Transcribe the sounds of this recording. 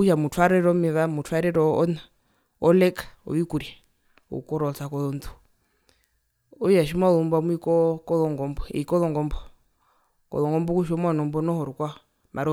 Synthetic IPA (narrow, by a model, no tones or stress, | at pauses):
uʃamutʰwaɾɛɾɔmɛβamutʰwaɾɛɾɔɔ̰na | ɔlɛkɔ̰βikuɾi | ɔ̰kɔɾɔt͡sakɔlɔntu̥ | ɔjaʃimalumbwamuikɔkɔlɔŋɡɔmbɔḭkɔlɔŋɡɔmbɔ | kɔ̰lɔŋɡɔmbɔkuʃ̬ɔmwanɔmbɔnɔhɔɾukwa | mʔaɾɔ